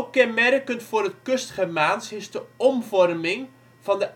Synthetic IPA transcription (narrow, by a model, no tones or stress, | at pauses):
kɛnmɛrkənfʊːɾətkøstχəmaːnsɪsdəɔmvɔrmɪŋ | vɑndəʔ